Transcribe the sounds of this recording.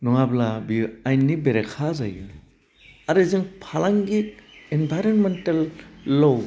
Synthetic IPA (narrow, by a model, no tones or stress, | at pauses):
nuŋablabiajnːibeɾekʰazajɯ | aɾɯzɯŋpʰalaŋɡik̚enbʱajɾonmentalːow